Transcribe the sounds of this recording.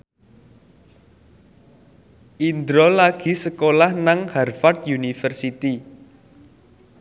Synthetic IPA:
ʔind̪ɾɔlaɡ̥i̤səkolahnaŋhɛrfart̪̚junifərsit̪i

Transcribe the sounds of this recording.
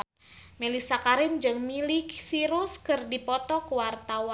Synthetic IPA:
melisakaɾɪnd͡ʒɨŋmilɪksiɾuskɨrdipɔt̪ɔkuwart̪awa

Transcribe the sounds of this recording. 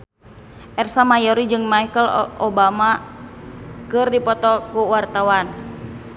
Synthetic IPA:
ʔɛrsamajɔɾid͡ʒɨŋmajkəlʔobama | kɨrdipɔt̪ɔkuwart̪awan

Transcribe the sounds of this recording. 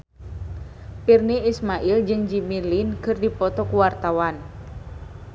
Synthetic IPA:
pirniismaʔild͡ʒɨŋd͡ʒimilinkərdipɔt̪ɔkuwart̪awan

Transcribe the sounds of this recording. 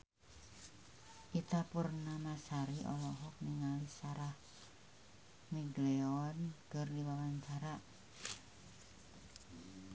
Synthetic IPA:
ʔit̪apurnamasaɾiʔɔ̰lɔɦɔk̚niŋalisaɾah | miɡleɔnkərdiwawant͡ʃaɾaʔ

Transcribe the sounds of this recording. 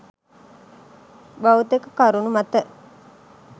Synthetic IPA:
bawut̪ekəkaɾunumat̪ə

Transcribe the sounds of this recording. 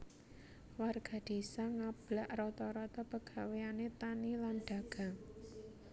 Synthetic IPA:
warɡ̥a̤d̪̥e̤saŋab̥laʔrɔt̪ɔɾɔt̪ɔpəɡ̥a̤weanet̪anilanɖ̥a̤ɡ̥a̤ŋ

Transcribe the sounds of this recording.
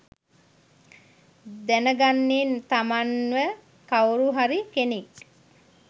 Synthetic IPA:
d̪ænəɡanːint̪amanʋə | kawɾuɦaɾikenik̚

